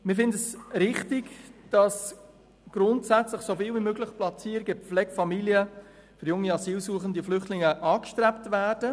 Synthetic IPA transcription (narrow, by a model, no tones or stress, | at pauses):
mɪfɪndəsɾɪχtɪɡd̥ɑs | ɡ̥ɾʊntsæt͡sləχsofiːlvimøːɡləχplɑt͡siːəɾɡɪflɛɡfɑmiljə | fʏɾjʊŋːiɑsiːlsuːəχəndəflʏχtlɪŋəʔɑːkʃtɾɛptvæːrd̥ə